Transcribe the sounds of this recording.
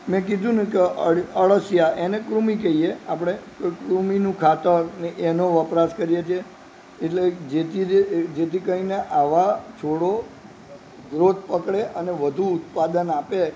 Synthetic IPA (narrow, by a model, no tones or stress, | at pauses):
mɛ̃k̬id̪ʱũnũkeəəɭəsjaʔenekɾumikeieapɽ̃ekojkɾuminũkʰat̪əɾneʔenoʋəpɾaskəɾijet͡ʃʰie | eʈled͡ʒet̪id͡ʒet̪ʰikəineʔaʋat͡ʃʰoɽo | ɡɾot̪̚pəkɭeʔəneʋəd̪ʱuʊt̪̚pad̪ənape